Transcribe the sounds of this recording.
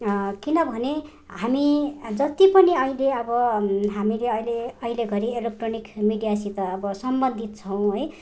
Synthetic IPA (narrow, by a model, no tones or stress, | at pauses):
kinʌbʱʌne | ɦamid͡zʌt̪ipʌniʌileʌbʌɦamileʌjleʌileɡʱʌɾielek̚ʈronikmiɖijasit̪ʌːbʌsʌmbʌnd̪ʱit̪̚t͡sʰʌw̃ɦoj